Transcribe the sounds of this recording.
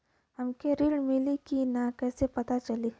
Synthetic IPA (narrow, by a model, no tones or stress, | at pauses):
ɦɐmkeɾiɽmɪlikinakɛːsepɐt̪at͡ʃɐli